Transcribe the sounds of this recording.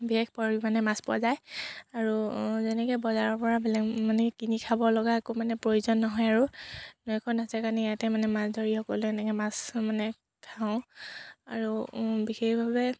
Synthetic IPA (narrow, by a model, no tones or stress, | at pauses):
bixexpɔɹbimanɛmaspa̰zajaɹuzɛnɛkɛbɔzaɹɔɹpɔɹabɛlɛmanɛkinikʰabɔlɔɡaɛkomanɛpɹojuzɔnːɔɦɔjaɹunɔjkʰɔnasɛkanijatɛmanɛmasdʱɔɹixɔkɔluɛnɛkɛmasmanɛ | kʰaʊ̃a̰ɹubixexbʱabɛ